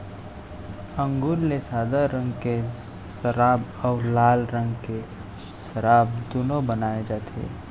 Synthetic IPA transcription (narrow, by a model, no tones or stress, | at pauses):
ə̃ŋɡuɾlesaːd̪əɾɾə̃ŋɡke | səɾaːbɔːɾlaːlɾə̃ŋɡke | səɾaːbd̪unobənaːed͡ʒaːt̪ʰḛː